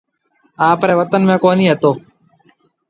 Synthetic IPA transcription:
aːpɾeːʋət̪ənmẽːkoːniːɦət̪oː

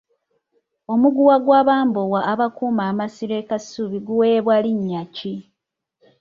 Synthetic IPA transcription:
o̞muɡuwaɡwaːβaːmbowaʔːβakuːmaːmasiɾekasuβiɡuweβwaliɲːaci

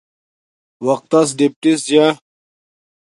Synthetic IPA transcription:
wɐq̚t̪ɐs̬ɖip̚ʈisd͡ʑja

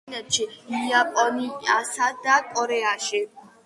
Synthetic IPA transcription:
nɛt̪t͡ʃiiapʼɔniasad̪akʼɔɾɛaʃi

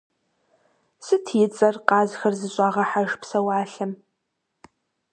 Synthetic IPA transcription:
sɨtʰjɪt͡sʼɐrqɑːzxɐrzɨɕʼɑːʁɐħaʒpsɐwɑːɬɨm

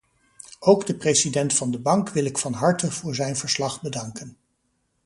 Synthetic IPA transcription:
owɡdəprejsidɛntfɑndəbɑŋkʋɪlˠɪkfɑnɦɑɹtəv̥ʊːɹzɛjnvəɹslɑχbədɑŋkən

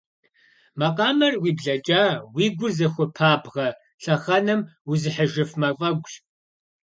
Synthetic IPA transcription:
mɐqʼɑːmɐrwiːbɮɐt͡ʃʼaːwiːɡʷʊrzɐxʷʊpʰaːbʁɐ | ɬɐχɐnɨmwuzɨħəʒɨfmɐfʼɐɡʷɕ

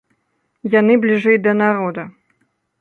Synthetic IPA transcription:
janɨblʲiʐɛjd̪ɐnaɾod̪ɐ

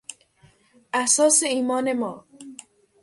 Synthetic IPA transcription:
asɒːseiːmɒːnemɒː

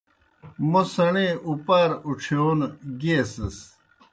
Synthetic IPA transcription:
mosɐɳeupaːɾuʈ͡ʂʰijoːnɡeːsɐs

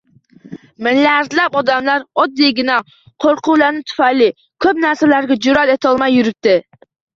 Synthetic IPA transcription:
mɪlːæɾzlæpɔd̪amlɑɾɔd̪ːiɡʲinɛ | qʰoɾqʰʊlˠɑɾnɪt̪ʰy̥fɑjlːi | kʲʰøpnæɾsɛlæɾɡʲɛd͡ʒuɾɑt̪et̪ʰɑlˠmɑjːuɾyp̚t̪ɪ

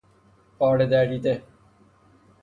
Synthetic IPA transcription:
paːɽed̪æːɖiːt̪e

